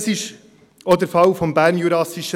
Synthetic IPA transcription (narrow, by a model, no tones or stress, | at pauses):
sɪʃ | od̪əɾfɑwfɔmbæːɾnjuɾɑsiʃə